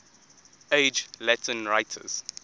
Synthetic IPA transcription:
eɪd͡ʒlɛtʰə̃nɹaɪtʰə̰z̥

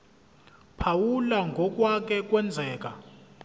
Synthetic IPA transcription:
pʰawulaŋɡʱɔk̬ʼwak̬ʰɛk̬ʼwɛnd͡zʱɛːk̬ʼa

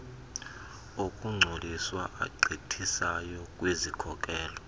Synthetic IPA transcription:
okʼuŋ͡ǀʱoliswaʔa̰ɡ͡ǀitʰisajɔkʼwezikʰɔkʼɛːlɔ

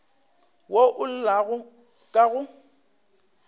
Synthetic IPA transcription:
woʔʊl̩laɣʊ | kʼaɣʊ

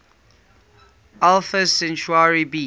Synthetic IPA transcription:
alfəsɛ̃nt͡ʃuaɹibi

